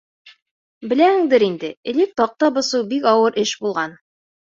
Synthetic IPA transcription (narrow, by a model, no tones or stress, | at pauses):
bɘ̆læhɘ̆ŋd̪ɘɾind̪ɘɘ̆lɘk̚t̪ɒq̚t̪ɑbɤ̆sɤwbikɒwɤɾʔɘʃbulˠʁɑn